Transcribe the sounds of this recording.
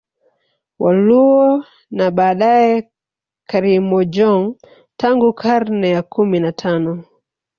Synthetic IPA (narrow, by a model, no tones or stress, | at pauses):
wʔaluɔ | naɓaːɗaɛ | kaɾimɔd͡ʒɔŋ | tʰaŋɡukʰaɾnɛjakʰuminatʰanɔ